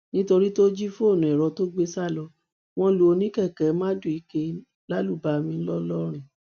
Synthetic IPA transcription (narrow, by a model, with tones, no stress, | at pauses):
nĩ˦to˧ɾi˦to˦d͡ʒi˦fo˦˨nũ˨ɛ˨ɾɔ˧to˦ɡ͡be˦sa˦˨lɔ˧ | w̃ɔ̃˧lu˨o˧nĩ˦kɛ˦˨kɛ˨˦mã˦du˦˨i˨˦ke˧˦ | la˦lu˦˨ba˨mĩ˧n̩˦lɔ˦lɔ˦ɾ̃ĩ˦˨